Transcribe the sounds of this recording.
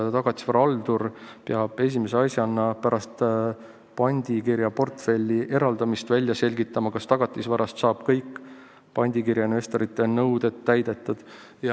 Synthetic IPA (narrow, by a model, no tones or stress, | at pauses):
t̪ɑɡ̥ɑt̪ːˑi̥svɑɾɑɑld̪uɾpeɑb̥e̞s̬ʲimeseɑsʲjɑɑnːɑpæɾʔɑst̪ | pɑnʲd̪̥ʲikiɾjɑpo̞rt̪fe̞lʲːiʔe̞ɾɑld̪ɑmist̪vælʲjɑse̞lʲɡit̪ːˑɑmɑkɑst̪ɑɡ̥ɑt̪ˑːisvɑɾɑst̪sɑːb̥kɤjkː | pɑnʲd̪̥ʲikiɾjɑinve̞st̪o̞ɾit̪ːˑe̞nɤwd̪e̞t̪ːæjd̪̥e̞t̪ːˑud̪̥ | jɑ